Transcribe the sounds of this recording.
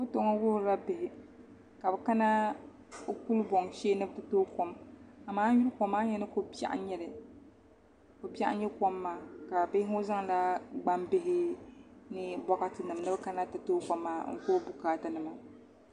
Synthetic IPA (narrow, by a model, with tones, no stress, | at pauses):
o˦to˨ŋɔ˦wʊ˦hɾa˦bɪ˨hɪ˦ | ka˨bɛ˨ka˦na˦ | ku˦lbɔ˨ŋʃeː˦nɨ˦btɨ˦to˦ko˨ma˨maː˦ju˦ɾko˨mːaː˦ɲɛ˦nɨ˦ko˦pa̰˦ʔɲɛ˦lɨ˨ | ko˨pi˦a̰˦ʔɲɛ˦ko˦mːaː˨ka˨bɪ˦hɪ˦ŋ˦o˦za˦ŋ˨la˦ɡ͡ba˦mbɪ˦ɦɪ˦nɪ˦bɔ˦ka˦tɨ˨nɨ˨mnɨ˦bɨ˦ka˦na˦tɨ˨toː˦ko˨mːa˨ŋ̩̰˦koː˦bu˨kaː˦ta˦nɨ˨ma˨